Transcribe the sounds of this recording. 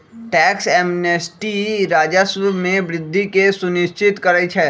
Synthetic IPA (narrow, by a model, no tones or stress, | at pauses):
ʈɛːksɛːmnesʈiɾaːd͡ʒəsʋəmẽbɾɪd̪ʱːikesʊnɪʃt͡ʃɪt̪kɐɾəit͡ʃʰɛː